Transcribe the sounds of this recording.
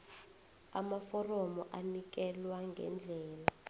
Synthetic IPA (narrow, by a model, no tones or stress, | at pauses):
a̰mafɔrɔmɔʔanik̬ɛlwaŋɡʱɛ̰nd͡ɮʱɛːla